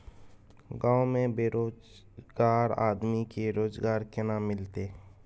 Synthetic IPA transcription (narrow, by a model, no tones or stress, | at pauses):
ɡãːomẽbeːɾoːd͡ʒ | ɡaːɾa̰ːd̪mikeɾoːzɡaːɾkenamɪlt̪eː